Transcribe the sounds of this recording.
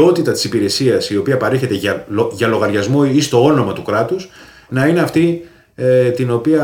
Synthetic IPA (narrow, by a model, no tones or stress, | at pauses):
o̞t̪it̪ɐt̪i̥sipiɾe̞siɐsio̞piɐpɐɾe̞çe̞t̪e̞ɐʝɐlo̞ɣɐɾʝɐzmo̞ist̪o̞o̞no̞mɐt̪ukɾɐt̪us | nɐine̞ɐft̪i | et̪ino̞piɐ